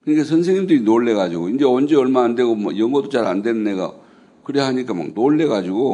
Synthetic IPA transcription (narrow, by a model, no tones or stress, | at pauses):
kɯɲikasʰʌnsʰe̞ŋɲːimdɯinoɭːe̞ɣad͡ʑiɡoind͡ʑe̞ʌnd͡ʑe̞ʌɭmaːnde̞ɡomʌ̰jʌŋɡʌdot͡ɕaɾa̰nde̞nɯnːe̞ɡa̰ | kɯɾehaɲik͈ama̰knoɭːe̞ɡad͡ʑiɡo